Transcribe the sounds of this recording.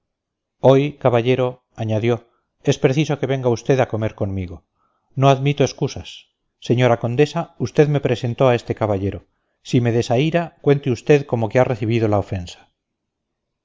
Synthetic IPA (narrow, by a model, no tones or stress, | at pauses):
o̞jkaβaʎe̞ɾo̞ | aɲaðjo̞ | e̞spɾe̞θiso̞ke̞βe̞ŋɡaust̪e̞ðako̞me̞ɾko̞nmiɣo̞ | no̞aðmit̪oe̞skusasː | e̞ɲo̞ɾako̞nd̪esaust̪e̞ðme̞pɾe̞se̞nt̪oae̞st̪e̞kaβaʎe̞ɾo̞ | sime̞ðesaiɾakwe̞nt̪eust̪e̞ðko̞mo̞keareθiβ̞iðo̞laofe̞nsḁ